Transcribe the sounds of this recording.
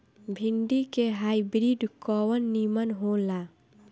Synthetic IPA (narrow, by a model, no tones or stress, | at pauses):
bʱiɳɖikeɦajbɾiɖkɔwənːimənɦola